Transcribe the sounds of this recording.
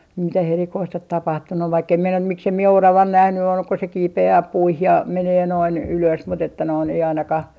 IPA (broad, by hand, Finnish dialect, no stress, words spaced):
mitæh erikoist ot tɑpɑhtunːu ʋɑikː em minæ miksem mie orɑʋɑn næhny ol ko se kiːpeæː puih jɑ meneː noin yløs mut etːæ noin ei ɑinɑkɑh